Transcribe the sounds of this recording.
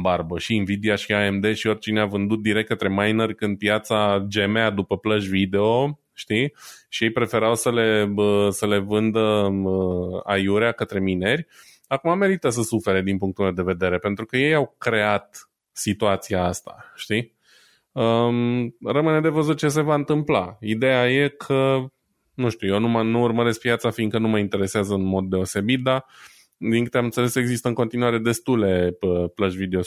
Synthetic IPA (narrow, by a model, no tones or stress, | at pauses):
barbəʃinvid̪iaʃiae̞md̪e̞ʃio̞rʲt͡ʃineavɨnd̪ut̪̚d̪iɾe̞k̚t̪̚kːət̪ɾe̞majnərʲkɨnd̪̚pjat̪sad͡ʒe̞mead̪upəpləʒvid̪e̞o̞ | ʃt̪iʃijejpɾe̞fe̞ɾawsəle̞əsəle̞vɨnd̪əəajuɾeakət̪ɾe̞mine̞ɾʲ | akumame̞ɾit̪əs̬əsufe̞ɾe̞d̪inpuŋk̚t̪ulme̞wd̪e̞ve̞d̪e̞ɾe̞pe̞nt̪ɾukəje̞jawkɾe̞at̪ | sit̪uat̪siaast̪a̰ʃt̪i | ə | rəmɨne̞d̪e̞vəzut̪̚t͡ʃe̞s̬e̞vaɨnt̪ɨmplaid̪e̞jaje̞kʰə | nuʃt̪ujewnumənuːrməɾe̞sk̚pjat̪safiŋɡkənuməint̪e̞ɾe̞seazəɨnmo̞d̪ːe̞o̞se̞bit̪̚d̪a | d̪iŋkɨt̪eamɨnt̪sele̞se̞ɡzist̪əɨŋko̞nt̪inuaɾe̞d̪e̞st̪ule̞əpləʒvid̪eo